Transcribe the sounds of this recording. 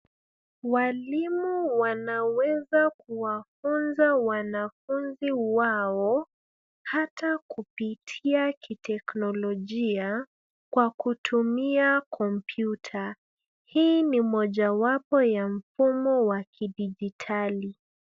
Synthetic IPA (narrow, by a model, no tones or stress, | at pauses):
walimuwanawɛzakuwafunzawanafunziwaɔ | hatakupitʰiakitɛknɔlɔʄia | kwakutʰumiakʰɔmpʰjutʰa | hiːnimɔʄawapɔjam̩fumɔwakiɗiʄitʰali